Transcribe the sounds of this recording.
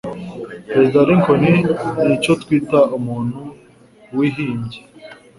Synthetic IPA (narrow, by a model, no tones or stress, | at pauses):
pɾezid̪aɾiŋkʰoninicot̪kwiːtaumuːn̥u | wiɦiːɲɟe